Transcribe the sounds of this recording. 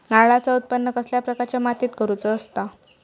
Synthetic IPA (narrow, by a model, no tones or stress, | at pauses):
naɭat͡saut̪̚pənːəkəsljapɾəkaɾt͡ɕjamat̪iːt̪kəɾut͡səːst̪a